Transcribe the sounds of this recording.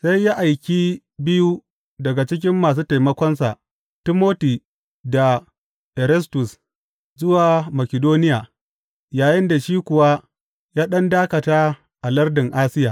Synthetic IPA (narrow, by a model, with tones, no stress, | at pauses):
sa˦jːaː˦ʔa˨jkʲi˦ | bɪ˦ju˦ | dɐ˨ɡa˨t͡ʃɪ˦k̬ʲɪ˦mːaː˨s̬uː˦ta˨jmɐ˦kʷɔ˦nsa˨ʔ | ti˦moː˦ti˨ | da˨ | ʔɛ˨ɾɛ˦stʊ˨s | zʊ˦waː˨mɐ˨kʲɪ˨doː˦nɪ˦jaː˨ | jaː˨jɪ˦nda˨ʃiː˦kʷʊ˨wa˦ | jaː˦ɗɐ˦ndaː˦kɐ˨taː˦ | ʔa˨lɐ˦rdɪ˨ŋʔaː˦sɪ˦jaː˨